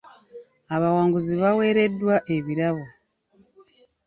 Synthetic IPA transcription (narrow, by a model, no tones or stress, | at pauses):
aβawaːŋɡuziβawe̞ːɾe̞dːwaʔeβiɾaβo̞